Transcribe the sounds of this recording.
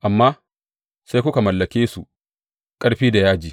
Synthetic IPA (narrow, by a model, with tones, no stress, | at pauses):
ʔa˨mːaː˦ | sa˦jkʷʊ˦ka˨mɐ˨lːɐ˨kʲeː˦su˨ | kʼɐ˦ɽɸiː˦da˨jaː˦d͡ʒiː˨